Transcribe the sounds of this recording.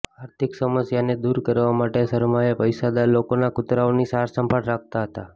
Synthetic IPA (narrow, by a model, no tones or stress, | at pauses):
aɾt̪ʰiksəməsjaned̪uɾkəɾʋamaʈesəɾmaepəjsad̪alokonakʊt̪ɾaonisaɾsəmpəɽɾak̚ʰt̪aɦət̪a